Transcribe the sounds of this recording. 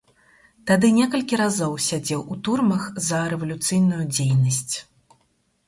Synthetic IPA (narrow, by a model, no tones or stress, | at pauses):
t̪ad̪ɨnʲɛkɐlʲkʲiɾazɔwsʲad͡zʲɛwut̪urmɐxzɐɾɛvɐlʲut̪sɨjnujud͡zʲejnɐsʲt͡sʲ